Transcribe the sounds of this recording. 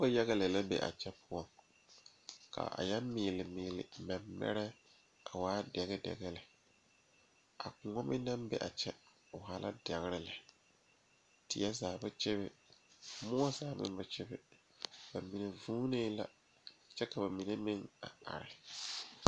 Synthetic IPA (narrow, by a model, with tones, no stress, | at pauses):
ba˦jɛ˦ɣɛ˦lɛ˨la˦bḛ˨ʔa̰˨t͡ʃɛ˦pʰʊ˦ɔ˨ŋ | kʰa̰˨ʔa̰˨ja˦mːɪ˨lɪ˨mɪː˨lɪ̰˨mɛ˨mːɛ̰˦ɾɛ˦ | a˨waː˦dɛ˨ɣɛ˦dɛ̰˨ɣɛ˦lɪ˨ | a̰˨kʊ˨ŋɔ˦mɪ˦na˦mbɛ̰˨ʔa̰˨t͡ʃɛ˦ | ʊ˨ɦa˦lʔa̰˦da˨ɣɾɪ˦lɪ˨ | tɪ˨jɛ˦zaː˨ba˦t͡ʃɛ˦βɪ˦ | mʊ˦ɔ˦zaː˨mɪ̰˦ba˦t͡ʃɛ˦bɪ˦ | ba˨mi˨ne˨vuː˦ne˦la̰˦˨ | t͡ʃɛ˦ka˨ba˨mi˨ne˦mɪ˦ŋa̰˨a̰˨ɾɪ˨